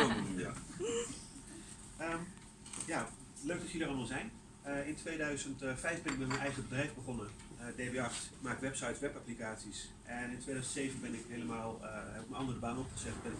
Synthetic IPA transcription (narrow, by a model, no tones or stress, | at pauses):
əm | ja | løɥk̚dɔtəədərɑlˠmalˠzɛjn | əɪntʋeːdœɥzəntfɛjfbɪnɪk̚bɛnmənɛjχəbədrɛjvbəχonə | ədeːbeɑxtmaːkʋɛpsajtʋɛpaplikaːtsis | ʔɛnɪntʰʋeːdœɥzəntsejvənbɪnɪkeləmaːlˠɛbɪk̚mənɑndərəbaːnɔpχəzɛtəbɛnɪ